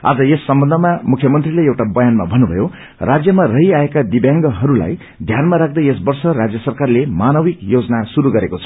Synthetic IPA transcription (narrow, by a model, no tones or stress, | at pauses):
a̰d͡zʌesːʌmbʌnd̪ʱʌmamukʰjʌmʌnt̪rileewʈabʌjanma̰bʱʌnːubʱʌjo | rad͡zjʌmarʌɦiaekad̪ibjãŋɡʌɦʌɾula̰j | d̪ʱjanmaɾak̚ʰd̪ʌesbʌrsʌrad͡zjʌsʌrkarlemanʌbikjod͡zʌnasuɾuɡʌɾekot͡sʰʌ̥